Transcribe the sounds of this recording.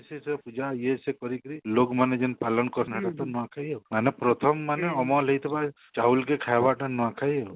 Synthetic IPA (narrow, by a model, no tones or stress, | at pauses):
sesepud͡ʒajesekɔɾikɔɾilokmaned͡ʒenpalɔnkɔɾnɦaʈat̪ɔnɔwãkʰajemanepɾɔt̪ʰɔmːaneɔmɔlejt̪ʰeba | t͡ʃaulkekʰajbaʈanɔwãkʰajew